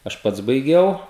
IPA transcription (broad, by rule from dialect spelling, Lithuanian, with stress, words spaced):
ɐʃ ˈpɐts bɐɪˈɡʲɛʊ